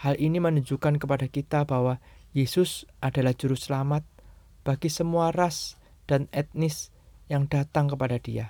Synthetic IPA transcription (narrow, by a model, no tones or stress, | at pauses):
halʔinimənuɲd͡ʒukankəpadakit̪abawajesʊsʔadalahd͡ʒuɾʊsəlamat̪̚ | b̥aɡisəmuaras | d̥anɛt̪̚nɪs | jaŋdat̪aŋkəpadadia̰